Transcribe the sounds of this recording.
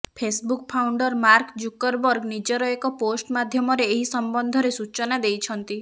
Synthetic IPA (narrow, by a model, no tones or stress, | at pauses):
pʰesbukpʰawɳɖɔɾmaɾkd͡ʒukɔɾbɔɾɡnid͡ʒɔɾɔekɔposʈmad̪ʱjɔmɔɾeːɦisɔmbɔnd̪ʱɔɾesut͡ʃɔnad̪ejt͡ʃʰɔnt̪i